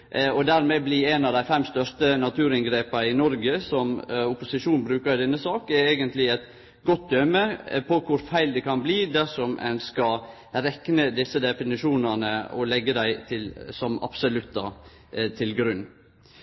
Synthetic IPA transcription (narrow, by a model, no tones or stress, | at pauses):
ʔɔd̪æɾmeːblɪeːnɑd̪æɪfɛmːst̪œʂt̪ənɑt̪ʰʉːɾɪnɡɾeːpəɪnɔɾɡəsɔmʊpʊsɪʂuːnbɾʉːkəɾd̪ɛnːəsɑːkɛɾeːɡənt̪lɪɛt̪ | ɡɔt̪̚d̪œməpʰɔkʰʊɾfæɪld̪ɛkʰɑnbliːd̪æʂɔmʔɛ̰nskɑ | ɾɛknəd̪ɪsːəd̪ɛfɪnɪʂuːnɑnəɔlɛɡːəd̪æɪt̪ʰɪlsɔmɑ̰bsʊlʉt̪d̪ɑ | t̪ʰɪlɡɾʉnː